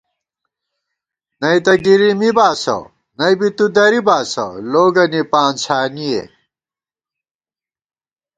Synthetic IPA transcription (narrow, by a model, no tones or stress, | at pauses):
nɐjt̪ɐɡiɾimibaːsɐ̰ | nɐjbit̪ud̪ɐɾibaːsɐ̰loːɡɐnipaːnt͡ɕʰaːniḛ